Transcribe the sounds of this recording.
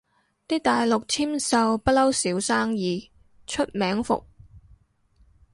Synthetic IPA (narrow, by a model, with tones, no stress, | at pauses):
t̪iː˥t̪aː˨jlʊ˨k̚t͡sʰiː˥msɐ˨wpɐ˥t̚lɐ˥wsiː˨˥wsaː˥ŋjiː˨˩ | t͡ʃʰɵ˥t̚mɛː˨˥ŋfʊ̰˨k̚